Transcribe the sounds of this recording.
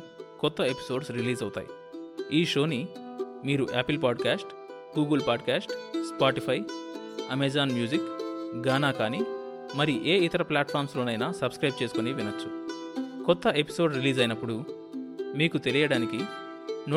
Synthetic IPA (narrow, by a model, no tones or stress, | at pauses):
kɔt̪ːɐe̞pi̥so̞ːɖsɾiliːzɐwut̪a̰ːjḭ | iːʃo̞ːni | miːɾuʔɛːpilpaːɖkaːsʈ | ɡuːɡɐlpaːɖkaːsʈspaːʈipʰɐj | ɐmed͡ʒaːnmjuːd͡ʒikɡaːnaːkaːni | mɐɾiʔeːit̪ɐɾɐplʲaːʈpʰaːɾmslo̞ːnɐjnaːsɐbskɾɐjb̚t͡ʃe̞ːsukoniʋinɐt͡ʃːu̥kɔt̪ːɐʔe̞pi̥so̞ːɖɾiliːzɐjnɐpːuɽu | miːkut̪e̞lijɐɽaːniki | n